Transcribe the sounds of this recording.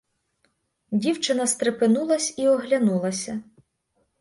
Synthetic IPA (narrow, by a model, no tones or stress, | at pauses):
dʲiwt͡ʃɪnɐst̪ɾepɪnulˠɐsʲiɔɦlʲɐnulˠɐsʲɐ